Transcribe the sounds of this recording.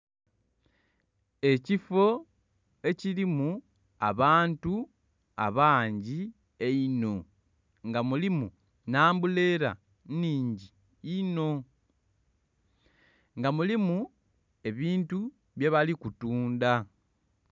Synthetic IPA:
e̞cifo̞ | e̞cilimu | aβaːntu | a̰βaːɲɟi | eino̞ | ŋɡamulimu | naːmbule̞ɾa̰ | niːɲɟiː | no̞ | ŋɡamulimu | e̞βiːntu | βje̞βalikutuːnda

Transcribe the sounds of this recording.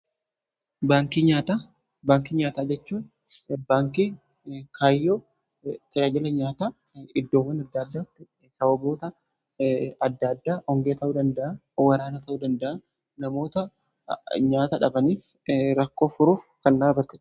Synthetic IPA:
baːŋkiɲaːt̪a | baːŋkiɲaːt̪aːd͡ʒɛt͡ʃːuːn | baːŋkiː | kʰaːjːoː | t̪ɪɾaːd͡ʒɐlɐɲaːt̪aː | ɪd̪ːo̞ːwɐnɐd̪ːɐd̪ːaːɪ | sɐbɐbo̞ːt̪ɐ | ɐd̪ːad̪ːaːʔɔŋɡeːt̪ɐʔuːd̪ɐnd̪ɐʔa | wɐɾaːnɐt̪ɐʔuːd̪ɐnd̪ɐʔa | nɐmo̞ːt̪ɐ | ɲaːt̪ɐᶑɐbɐniːfɾɐkːo̞ːfʊɾuːfkɐnːaːrɐt̪ːɪ̥

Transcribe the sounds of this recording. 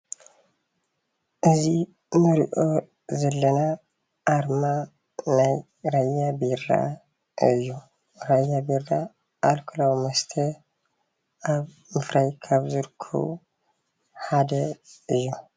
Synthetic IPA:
ʔɨzi | mɨɾḭʔo | zɐlːɐna | ʔːɾma | naj | ɾajːabiɾa̰ | ɨ̰jːu | ɾajːabiɾːa | ʔːlkʰɨlawmɐst̪ʰə | ʔaβ | mɨfɾajkʰaβzɨɾkʰṵ | ħad̪ɐɨjːu

